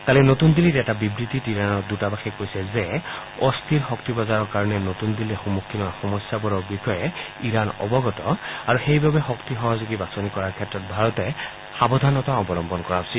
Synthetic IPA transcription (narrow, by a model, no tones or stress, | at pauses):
kalinotund̪ilitɛtabibɹit̪itiɹanɔdutabaxikojsɛzɛ | ɔstʰiɹxɔk̚tibɔzaɹɔɹkaɹɔnɛnotund̪iliɛxumukʰːimaxɔmɔsjabɔɹɔɹbixɔjɛ | iɹanɔ̰bɔɡɔtɔaɹuxejbabɛxɔktixɔɦɔzuɡibasɔnikɔɹaɹkʰɛtɹɔt̚bʱaɹɔtɛ | xabɔd̪ʱanɔtaɔbɔlɔmbɔnkɔɹḁsil